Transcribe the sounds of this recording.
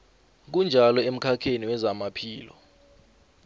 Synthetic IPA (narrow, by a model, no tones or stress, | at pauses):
k̬und͡ʒʱalɔem̩kʰakʰeniwɛzamapʰiːlɔ̰